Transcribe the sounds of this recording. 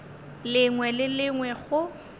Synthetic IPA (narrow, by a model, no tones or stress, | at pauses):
lɪŋwɛlɪlɪŋwɛɣʊ